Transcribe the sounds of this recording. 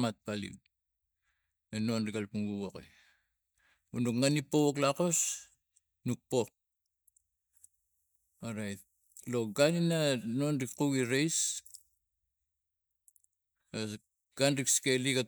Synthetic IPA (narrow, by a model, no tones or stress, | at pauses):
mat̪̚palḭw | enonrikalpuŋɡuwokḭ | unukŋanipːowoklakos | nuk̚po | oɾajt̚ | loɡaninanonrikquɡiɾejs | ɡ̥anrikskelikat